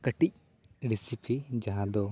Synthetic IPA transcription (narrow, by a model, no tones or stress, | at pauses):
kəʈic̚ | ɾisipʰid͡ʒaɦãd̪ɔ